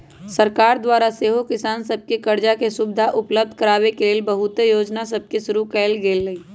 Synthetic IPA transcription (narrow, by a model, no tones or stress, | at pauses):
səɾkaːɾd̪waːɾaseːɦokɪsaːnsəb̚kekɐɾd͡ʒakesʊbɪd̪ʱaʔʊpləb̚d̪ʱkəɾaːwekeleːlbəɦʊt̪ejoːd͡ʒnas̬əb̚keʃʊɾukɛːlɡeːlːəi